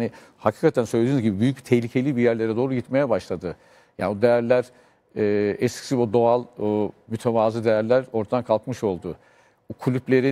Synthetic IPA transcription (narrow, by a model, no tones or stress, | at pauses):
ni | hacʰi̥ːkat̪ʰænsø̞jlʲeiːnyzɟibibyjyc̚bit̪ʰɛçlʲicʰe̞lʲibijæɾlʲe̞ɾɛd̪o̞ːɾuɟit̪me̞jɛbaʃlˠad̪ɯ | ja̰ːnbod̪ejæɾlʲæɾ | ɛːɛscʰi̥siud̪o̞alˠmyt̪ʰevaːzɯd̪e̞jæɾlʲæɾo̞ɾt̪ad̪ankʰalˠkmɯʃo̞lˠd̪ʊ | kʰulʲyplʲe̞ɾi